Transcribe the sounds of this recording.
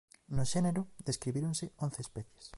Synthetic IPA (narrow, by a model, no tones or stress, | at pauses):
nʊʃeneɾʊðeskɾiβiɾoŋseon̟θeːspɛθje̥s